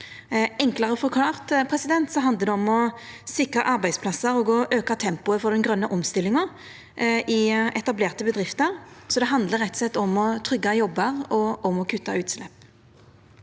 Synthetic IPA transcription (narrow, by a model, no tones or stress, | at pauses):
ɛŋklɑʁəfɔʁkʰlɑːʁt̪pʰʁɛsɪd̪ɛnt̪sɔɦɑnd̪əd̪ɛɔmɔ | sɪkʁɑʔɑɾʁbæɪspʰlɑsːəɾɔɡɔʔøːkɑt̪ʰɛmpʊəfɔd̪ɛnɡʁœnːəʔɔmst̪ɪlɪŋə | ʔɪʔɛt̪ɑbleːʁt̪əbəd̪ʁɪft̪əɾsɔd̪ɛɦɑnd̪ləɾɛt̪sɛt̪ːɔmɔt̪ʰʁʏɡːɑjɔbːəʁɔɔmɔkʰʉt̪ːɑʉːt̪slɛpː